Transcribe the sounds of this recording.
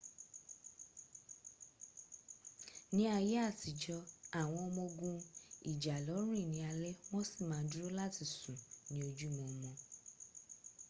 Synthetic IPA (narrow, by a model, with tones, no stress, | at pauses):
nĩ˦a˧je˦a˦˨ti˨d͡ʒɔ˧a˨w̃ɔ̃˧ɔ˧mɔ̃˧ɡũ˦i˨d͡ʒa˨lɔ˨˦ɾ̃ũ˦i˦˨nĩ˨a˧lɛ˦w̃ɔ̃˦si˦˨mãː˨˦du˦ɾo˦la˦ti˨sũ˨nĩ˨˦o˧d͡ʒu˦mõ˨˦mɔ̃˧